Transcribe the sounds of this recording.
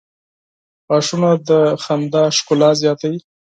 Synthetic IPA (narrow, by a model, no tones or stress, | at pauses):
ɑʂunad̪əxand̪ɑʃkʊlɑzjɑt̪awi